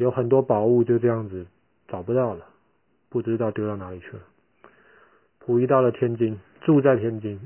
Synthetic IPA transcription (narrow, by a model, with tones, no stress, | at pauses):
jo˧˥ʊxə˨˩nt̪̬wɔ˥pɑ˨˩ʊu˥˧t͡ɕjo˥˧ʊʈ͡ʂɤ˥˧jɑ˥˩ŋd͡zɹ̩˨˩ | t͡sɑ˨˩ʊpu˧˥t̪ɑ˥˩ʊlə˩ | pu˥˩ʈ͡ʂɻ̩˥t̪ɑ˥˩ʊt̪jo˥ʊɑ˥˩ʊna˧˥li˨˩t͡ɕʰy˥˩˨ | pʰu˨˩i˧˥t̪ɑ˥˩ʊlə˩t̪ʰjɛ˥nt͡ɕi˥n | ʈ͡ʂu˥˧t͡sa˥˧ɪt̪ʰjɛ˥nt͡ɕi˥n